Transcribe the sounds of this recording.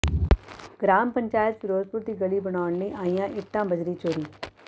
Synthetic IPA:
ɡɾaːmpəɲt͡ʃaːjɪət̪fɪɾoːd͡ʒpʊɾd̪iːɡəliːbəɳaːʊɳləiːʔaːijãːʔɪʈːãːbəd͡ʒɾiːt͡ʃoːɾiː

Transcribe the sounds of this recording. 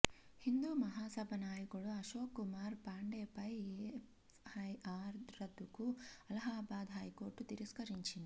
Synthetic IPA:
hind̪uːmɐɦaːsɐbʱɐnaːjiɡɐɭuɐʃoːkːumaːɾpaːɳɖeːpɐje | hɐjaːɾɾɐd̪ukuɐlɐɦaːbaːd̪ɦaːjkoːʈːut̪iɾiskɐɾiɲt͡ʃinɐ

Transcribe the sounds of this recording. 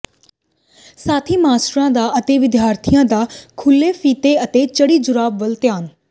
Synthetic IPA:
saːt̪ʰiːmaːsʈɾãːd̪aːɐt̪eːʋɪd̪jaːɾt̪ʰijãːd̪aːkʰʊlːeːfiːt̪eət̪eːt͡ʃəɽiːd͡ʒʊɾaːbʋəlt̪eaːn

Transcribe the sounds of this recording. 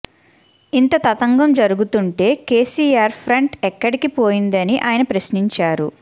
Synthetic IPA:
int̪ɐt̪ɐt̪ɐŋɡɐmd͡ʒɐɾuɡut̪uɳʈe̞ːkeːsiːaːɾpʰɾɐɳʈɛkːɐɽikipo̞ːjind̪ɐniʔaːjɐnɐpɾɐsniɲt͡ʃaːɾṵ

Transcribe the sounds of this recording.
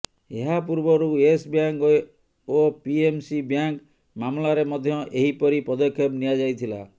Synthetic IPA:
eɦapuɾbɔɾuesbjaŋkɔ | opiemsibjaŋk | mamlaɾemɔd̪ʱjɔʔeɦipɔɾipɾɔd̪ɔkʰːjɔbnijad͡ʒajt̪ʰila̰

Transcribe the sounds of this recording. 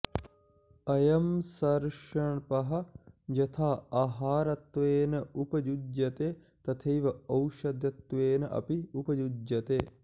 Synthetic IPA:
ɐjɐmsɐɾʂɐɳpɐɦɐ̆d͡ʒɐt̪ʰaːaːɦaːɾɐt̪ʋeːnɐupɐd͡ʒud͡ʒjɐt̪eː | t̪ɐt̪ʰejʋɐɐwʃɐd̪jɐt̪ʋeːnɐʔɐ̰piupɐd͡ʒud͡ʒjɐt̪eː

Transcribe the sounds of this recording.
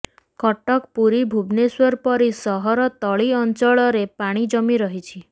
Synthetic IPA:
kɔʈɔkpuɾibʱubneswɔɾpɔɾisɔɦɔɾɔt̪ɔɭiɔnt͡ʃɔɭɔɾepaɽ̃id͡ʒɔmiɾɔɦit͡ʃʰi

